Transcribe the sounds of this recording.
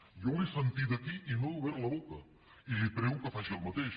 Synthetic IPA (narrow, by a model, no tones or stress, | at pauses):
jolisənt̪id̪əkiʔinouβɛɾləβokə | ilipɾɛwkəfaʒiəlˠmət̪eʃ